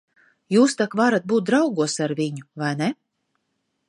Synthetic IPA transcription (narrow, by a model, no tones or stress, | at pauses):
juːst̪akvaɾat̪̚buːt̪̚d̪ɾawɡuɔsaɾvʲiɲuvajnɛ